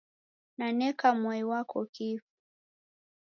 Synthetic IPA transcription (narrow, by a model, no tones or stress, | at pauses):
nanɛkamwɔiwakʰɔkifu̥